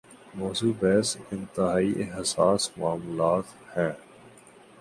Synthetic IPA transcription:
moːsuːbɛːsɪ̃nt̪ɪɦaːiʔeɦsaːsmaːmulaːt̪ | hɛ̃ː

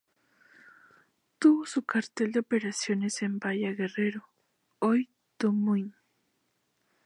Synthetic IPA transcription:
t̪usʊkaɾt̪eld̪eopeɾasjonesempajaɣereɾo | oj | t̪ʊmʊn

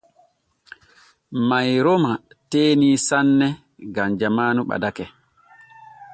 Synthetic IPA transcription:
majɾoma | teːnisanːɛ | ɡamd͡ʒamaːnuɓa̰dakɛ

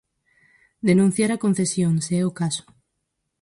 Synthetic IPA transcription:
d̪enũn̟θjaɾakõn̟θesjõŋseɛokaso̥

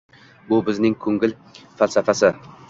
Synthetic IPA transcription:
bʊbɪznɪŋkʰɵŋɡɪl | falsafasɪ

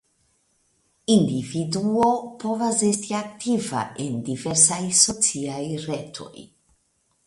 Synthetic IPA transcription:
ind̪ivid̪uopɔvazest̪iakt̪ʰiva̰end̪ivɛɾsajsotsiajret̪ʰo̰j

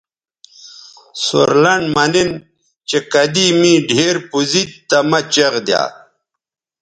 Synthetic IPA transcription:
so̰ɾlɐɳmɐnin | t͡ɕekɐd̪imĩːɖʱeːɾpuzit̪t̪ɐmɐt͡ɕɐʁd̪ja̰ː

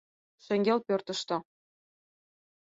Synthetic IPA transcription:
ʃɘ̆ŋʲɡʲelpørt̪ə̆ʃt̪ɤ̆

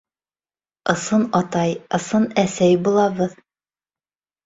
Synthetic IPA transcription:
ɤ̆sɤnɑt̪ɑjɤ̆sɤnæsæjbulˠɑβɤð

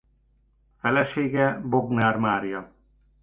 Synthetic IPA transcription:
fɛlɛʃeːɡɛboɡnaːrmaːrjɒ

